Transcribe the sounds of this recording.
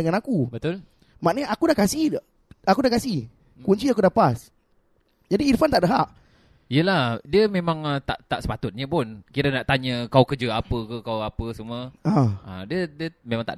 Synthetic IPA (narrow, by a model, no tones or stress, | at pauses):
əŋanakubət̪ʊl | maʔnəɲaʔakudaʔkasi | akudakasih | kuɲt͡ʃiakudapas | d͡ʒadiːɾfant̪aʔdəɦaʔ | ijəlahdiəmẽmãŋət̪a̰ʔt̪aʔsə̥pat̪ʊt̪̚ɲəpʊnkiɾənaʔt̪aɲəkawkəd͡ʒəapəkəkawapəsəmuəaə̰diədiəmẽmãŋt̪a̰ʔ